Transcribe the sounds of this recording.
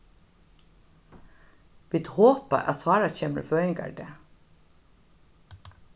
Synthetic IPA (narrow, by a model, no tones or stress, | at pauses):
ʋɪd̪hoːpə̰ʔɑ̰sɑːɾɑçeːmə̰føːɪŋɡɑ̰ɖe